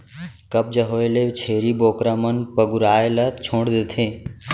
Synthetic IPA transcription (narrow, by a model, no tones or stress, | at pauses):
kəb̚d͡ʒəɦoːelet͡ʃʰeːɾiboːkɾamənpəɡuɾaːelət̪t͡ʃʰõːɽd̪et̪ʰẽː